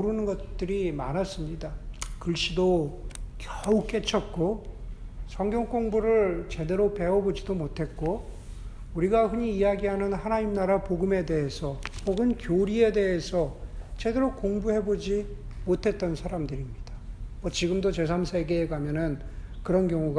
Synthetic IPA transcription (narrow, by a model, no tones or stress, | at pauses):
uɾunɯnɡʌtt͈ɯɾima̰nas͈ɯmɲidakɯɭɕ͈idokjʌuk͈e̞t͡ɕʰʌt̚k͈o | sʰʌŋɡjʌŋk͈oŋbuɾɯɭt͡ɕe̞de̞ɾope̞ʌbod͡ʑidomotʰe̞t̚k͈o | uɾiɡaɸɯɲiːjaɡiɦanɯnhanaɲimnaɾapoɡɯme̞de̞ɦesʰʌpoɡɯnkjoɾie̞de̞ɦesʰʌt͡ɕe̞de̞ɾokoŋbuhe̞bod͡ʑimotʰe̞t̚t͈ʌnsʰaɾamdɯɾimɲid̥amʌt͡ɕiɡɯmdot͡ɕe̞s̬ʰamsʰe̞ɡe̞ːɡamjʌnɯn | kɯɾʌnkjʌŋuɡ